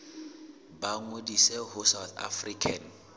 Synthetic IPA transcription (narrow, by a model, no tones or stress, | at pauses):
baŋodisɛɦʊsawθa̰frikʰan̩